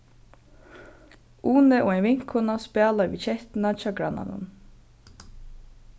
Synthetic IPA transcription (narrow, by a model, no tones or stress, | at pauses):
ʔuːnɛʔʊɛjnʋɪŋ̥kʰʊnaspɛːlaɾʋḭːt͡ʃɛht̪ɪnat͡ʃɑːɡɹana̰nʊ̰n